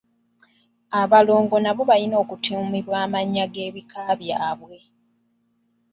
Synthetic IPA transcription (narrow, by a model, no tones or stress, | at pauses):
aβalo̞ːŋɡo̞naβo̞βalino̞ːkutʰemiβwaːmaɲːaɡe̞ːβikaβjaβwe̞